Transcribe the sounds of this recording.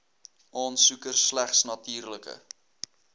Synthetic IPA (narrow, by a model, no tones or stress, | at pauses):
ʔɑːnsukərslæχsnɐtiːrləkə̰